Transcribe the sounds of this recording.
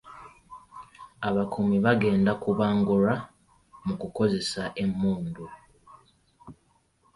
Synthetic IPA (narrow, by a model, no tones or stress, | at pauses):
aβakumiβaɡe̞ːndakuβaːŋɡuɾa | mukuko̞ze̞saʔemːuːndu